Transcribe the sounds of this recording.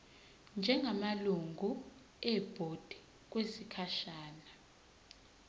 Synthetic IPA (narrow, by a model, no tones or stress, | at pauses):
nd͡ʒʱɛŋɡʱamaluŋɡʱu | ɛb̥ʱod̥ʱi̥ | k̬ʼwesikʰaʃaːna